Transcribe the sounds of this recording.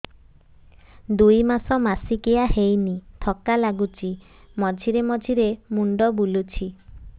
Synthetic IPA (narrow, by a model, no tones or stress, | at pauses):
d̪ujmasɔmasikeaɦejnit̪ʰɔkalaɡut͡ʃʰi | mɔd͡ʒʱiɾemɔd͡ʒʱiɾemuɳɖɔbulut͡ʃʰi